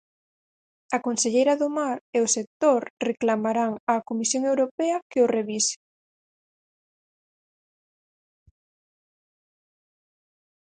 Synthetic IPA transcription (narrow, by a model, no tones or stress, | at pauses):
ɐkonseʎejɾɐðomaɾeosek̚t̪oɾreklamaɾaŋakomisjoŋewɾopɛɐkeoreβise̥